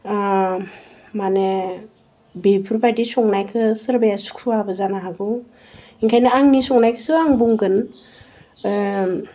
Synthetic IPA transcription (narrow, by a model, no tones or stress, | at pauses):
mane | bepʰɯɾpʰajdisɔŋnajkʰɯsɯɾbajasu̥kʰuabɯzanaɦaɡɯ | iŋkʰajnɯaŋnisɔŋnajkʰɯ̥sɯaŋbuŋɡɯn